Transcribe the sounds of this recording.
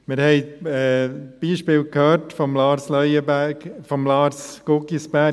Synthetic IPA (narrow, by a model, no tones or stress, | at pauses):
mɪɾhɛɪɛb̥iːʃpɪːlkʰhøːɾtfɔmlɑːɾslœjəbæfɔmlɑːɾsɡ̥okisbæ